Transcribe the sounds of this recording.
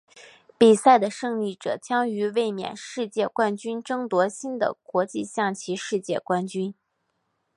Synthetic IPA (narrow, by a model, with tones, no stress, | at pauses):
pi˨˩sa˥˩ɪd̪ə˩ʂɤ˥˧ŋli˥˩ʈ͡ʂɤ̰˨˩t͡ɕjɑ˥ŋy˧˥we˥˩ɪmjɛ̰˨˩nʂɻ̩˥˧t͡ɕjɛ˥˧kwa˥nt͡ɕy˥nʈ͡ʂɤ˥ŋt̪wɔ˧˥ɕi˥nd̪ə̰˨kwɔ˧˥t͡ɕi˥˧ɕjɑ˥˩ŋt͡ɕʰi˧˥ʂɻ̩˥˧t͡ɕjɛ˥˩kwa˥nt͡ɕy˥n